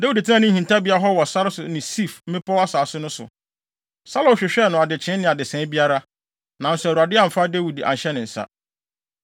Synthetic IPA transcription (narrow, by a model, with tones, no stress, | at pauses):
de˦wi˨di˨tʰɪ˦ã˦nʊ̃˦hĩ˨nta˦bi˨˦a˦ɦɔ˦wɔ˨sa˦ɾsʊ˨nɪ̃˨si˦˨fm̩˦mɪ̃˦pʰɔ˦wa˦saː˨˦sʊ˦nʊ̃˦sʊ̰˨ | sa˦lõ˨ɕᶣɪ˨ɕᶣɛ˦˨nʊ̃˨a˨dɪ˨t͡ɕʰɪ̃˨˦nɪ̃˨a˨dɪ˨sɛ̃˨˦bi˦a˦ɾa˦ | nã˨n̩˦sʊ˨ɾa˨dɪ˦a˨m̩˨fa˦de˦wi˨da̰˨ɕɛ˦nɪ̃˨n̩˨sa̰˦